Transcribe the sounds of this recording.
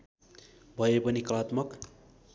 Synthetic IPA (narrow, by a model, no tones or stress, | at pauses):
bʱʌjepʌnikʌlat̪mʌk